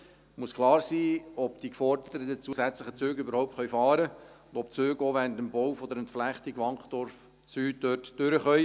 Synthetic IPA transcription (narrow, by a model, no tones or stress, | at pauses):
muəskʰχlɑːɾsiːɔpd̥ikfɔɾdədəədət͡suəsæt͡slɪχət͡søːɡʏbəɾhɔʊp̚tχœjfɑːɾəʊnd̥ɔpt͡søːɡoʋɛnd̪əmbɔwfɔdəɾɛntflæχt̪iɡʋɑŋkχdɔɾf | t͡syːd̥øːtd̥ʏɾəχœj